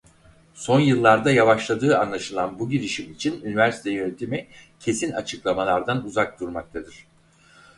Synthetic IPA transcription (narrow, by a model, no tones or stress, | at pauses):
so̞njɯlˠːaɾd̪ajavaʃlˠad̪ɯːa̰nlˠaʃɯlˠanbuɟiɾiʃimit͡ʃʰinynivæɾsi̥t̪ʰɛjønt̪ʰimɛcʰe̞sina̰t͡ʃʰɯklˠamalˠaɾd̪anuzak̚d̪uɾmak̚t̪ʰad̪ɯɾ̥